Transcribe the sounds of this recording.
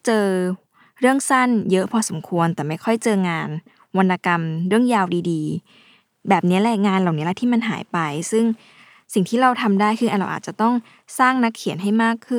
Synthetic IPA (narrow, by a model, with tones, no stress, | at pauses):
t͡ɕɤː˧ | ɾɯ˥˩əŋsa˥˩njɤ˦˥ʔpʰɔ˧so˩˦mkʰu˧ənt̪ɛː˨˩ma˥˩jkʰɔ˥˩jt͡ɕɤː˧ŋaː˧n | wa˧nːaː˧ka˧mɾɯ˥˩əŋjaː˧wdiː˧diː˧ | bɛː˨˩p̚ni˦˥ɐlɛ˧˥˩ŋaː˧nla˨˩wni˦˥lɛ˧˥t̪ʰiː˥˩ma˧nɦa̰ː˩˦jpa˧jsɯ˥˩ŋ | si˨˩ŋt̪ʰiː˥˩ɾa˧wt̪ʰa˧mdaː˥˩jkʰɯː˧ʔa˧nɾa˧ʔaː˨˩t̪̚t͡ɕa˨˩t̪ɔ˥˩ŋ | saː˥˩ŋna˦˥kʰːi˨˩˦ənɦa˥˩jmaː˥˩kʰːɯ˥˩˨